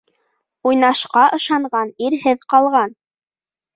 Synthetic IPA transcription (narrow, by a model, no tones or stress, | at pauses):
ujnɑʃqɑʔɤ̆ʃɑɴɢɑniɾɦɘðqɑlˠʁɑn